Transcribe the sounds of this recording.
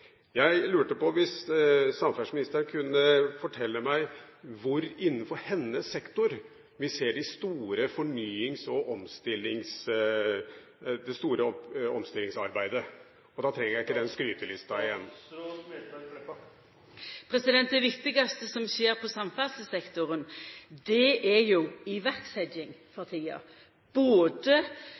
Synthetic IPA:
jæɪlʉːʈəpɔʋɪssɑmfæʂmɪnɪst̪əɾɳkʰʉnːəfɔʈʰɛlːəmæɪ | ʋʊɾɪnːəfɔɾhɛnːəsɛkt̪ʊɾ | ʋɪseːɖɪst̪uːɾəfɔɳyːɪŋsɔʔɔmst̪ɪlːɪŋs | d̪ɛst̪uːɾəɔɔmst̪ɪlːɪŋsɑɾbæɪd̪ə | ɔd̪ɑt̪ʰɾɛŋːəɾjæɪɪkːəd̪ɛnskɾyːt̪əlɪst̪ɑɪjɛnː | pʰɾɛsɪd̪ɛnt̪̚d̪ɛʋɪkt̪ɪɡɑst̪əsɔmseːɾpʰɔsɑmfæʁsəsɛkt̪ʊɾənd̪ɛʔæɾjʊɪʋæʁksɛd͡ʒɪŋfʰɑʁt̪ʰiːɑ̰ | b̥oːd̪ə

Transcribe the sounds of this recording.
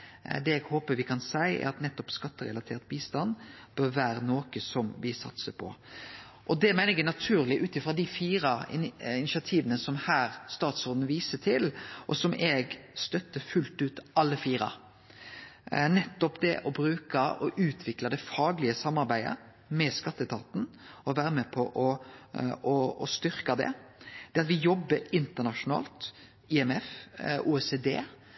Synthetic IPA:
d̪ɛɛɡhoːpəɾʋɪkʰɑnsæɪɛ̰ɾɑt̪nɛt̪ːɔpskɑt̪ːəɾɛ̰lɑt̪ʰeːɾt̪̚biːst̪ɑnb̥øɾʋæːɾənoːkəsɔmʋɪsɑ̰t̪səpʰɔ̰ | ʔɔd̪ɛmæɪnəɛnɑt̪ʰʉːɾlɪʔʉːt̪ɪfɾʁɑd̪ɪfiːɾɑɪnɪsɑt̪ʰiːʋənəsɔmhæːɾst̪ɑːt̪sɔd̪n̩ʋiːsət̪ʰɪlʔɔsɔmʔɛɡst̪œt̪ːəfʉlt̪ʉːt̪ɑlːəfiːɾɑ̰ | nɛt̪ːɔpd̪ɛ̰ʔɔbɾʉːkɑʔɔʔʉːt̪ʰʋɪklɑd̪ɛfɑːɡlɪəsɑmːɑɾbæɪə̰ | mɛskɑt̪ːət̪ʰɑːt̪n̩ɔʋæːɾəmɛpʰɔʔɔ | ɔɔ̰st̪ʏɾkɑd̪ɛ̰d̪̥ɛɑt̪ʋɪjɔbːəɾɪnt̪ənɑʂʊnɑ̰ːlt̪ | ɪɛmɛfʔuːɛsed̪ḛː

